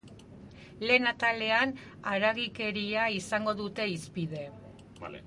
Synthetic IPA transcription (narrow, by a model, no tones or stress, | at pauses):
le̞ːnat̪ale̞an | aɾaɣike̞ɾiaisaŋɡo̞ðut̪e̞ispið̞e̞